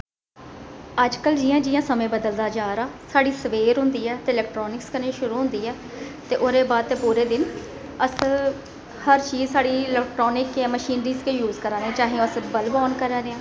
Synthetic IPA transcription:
əd͡ʒkəld͡ʒɪjãːd͡ʒɪjãːsəmẽːbəd̪əld̪aːd͡ʒaːɾaːsaːɽiːsəʋeːɾɦʊ̃nd̪iːɛːt̪eːɪlɛːkʈɾɔːnɪkskənẽːʃʊɾuːɦʊ̃nd̪iːɛː | t̪eːʔoːɾeːbaːd̪̚t̪eːpuːɾeːd̪ɪn | əs | həɾt͡ʃiːzsaːɽiːɪlɛːkʈɾoːnɪkãːməʃiːnɾiːzkeːjuːzkəɾãːnẽːt͡ʃaːɦẽõəsbəlbɔːnkəɾaːɾeãː

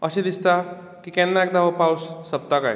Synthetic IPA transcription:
əɕẽd̪ist̪a | kikɛ̃nːaɛk̚d̪aʋopawsːəbt̪akaj

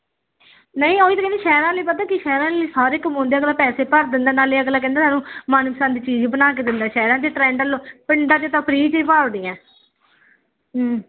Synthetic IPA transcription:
nəĩːoːiːt̪ːkɛ̃nd̪eːʃɛːɾãːliːpət̪aːkɪʃɛːɾãːliːsaːɾɪkmõːnd̪eːəɡlaːpɛːseːpəɾd̪ɪnd̪eːnaːliːəɡlaːk̬ɛ̃ːnd̪aːsʰaːnũːmaːnsaːnd̪iːt͡ʃiːd͡ʒbənaːk̬eːd̪ɪnd̪aːʃɛːɾãːd͡ʒ̪eʈɾɛ̃ːɳɖəlpɪɳɖãːt͡ʃeːt̪ãːpʰəɾiːt͡ʃiːpaːd̪ijãː

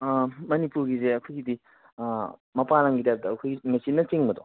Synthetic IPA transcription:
mɐnipuɾɡizeɐkʰojɡidi | mɐpaɾaŋɡitajap̚dɐːkʰojɡiŋɐsinɐt͡ʃiŋbɐdo

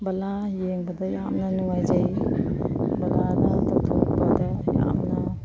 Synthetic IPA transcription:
bɐla | jeŋbɐdɐjamnɐnuŋajd͡ʒaj | bɐladadɔtʰobadaja̰mnɐ

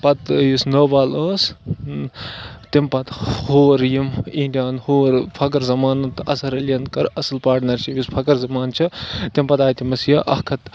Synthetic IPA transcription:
pɐt̪jisnoːbaːləːs | t̪impɐt̪hoːɾjimiɳɖijaːnhoːɾpʰɐk̬ɐɾzɐmaːnɐt̪ɐsɐɾɐljɐnkɐɾɐsɨlpaːɾʈnɐɾʃipispʰɐkɐɾzɐmaːnt͡ʃʰɐt̪impɐt̪aːjt̪imɐsjɐʔɐhkʰɐt̪

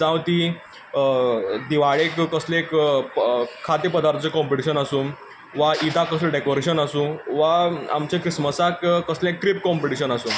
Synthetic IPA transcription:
d͡zãwt̪i | d̪iʋaɭekkːəsleek | kʰːat̪epəd̪aɾt̪ʰt͡sekɔmpiʈiɕənasu | ʋait̪akəsleɖekoɾeɕənasũːʋaa̰mt͡ɕekɾisməsakkːəslẽekːʈɾipkɔmpiʈiɕənasũ

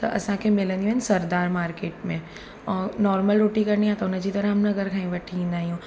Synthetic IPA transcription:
t̪ɐʔɐ̰sãkʰemɪlə̃nd̪iũɦɐnsɐɾd̪aːɾmaːɾkeːʈmẽ | ɔːnɔːɾməlɾoːʈikɐɾnijãt̪ɐʊnd͡ʑiːt̪ɐɾaɦɐmnɐɡəɾkʰãːĩʋɐʈʰiĩːn̆d̪aːɦijũː

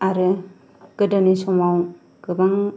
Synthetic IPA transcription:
aɾɯ | ɡ̥ɯdanisɔmaw | ɡ̥ɯbaŋ

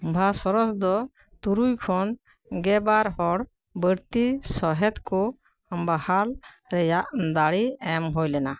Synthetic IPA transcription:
bʱasɔɾɔsd̪ɔ | t̪uɾujkʰɔn | ɡɛbaɾɦɔɽ | bəɾt̪isɔɦɛt̪kɔ | mbahal | ɾɛjaʔd̪aɽiɛmɦojlɛna

